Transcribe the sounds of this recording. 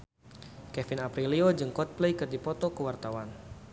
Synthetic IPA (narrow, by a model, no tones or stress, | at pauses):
kɛfɪnapɾiliod͡ʒəŋkɔt̪̚plejkɨrdipɔt̪ɔkəwart̪awan